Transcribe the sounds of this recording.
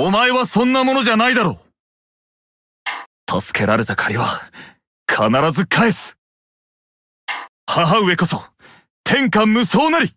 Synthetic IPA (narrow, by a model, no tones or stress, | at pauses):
omae̞βasõ̞nːamo̞no̞ʑanaid̪aɾo̞ː | t̪ʰasɨ̥ke̞ɾaɾe̞t̪akʰaɾʲiβa | kʰanaɾazɨkʰaesɨ̥ | haɦaɯ̟e̞ko̞so̞ | t̪ʰẽ̞ŋkãmːɯ̟so̞ːnaɾʲi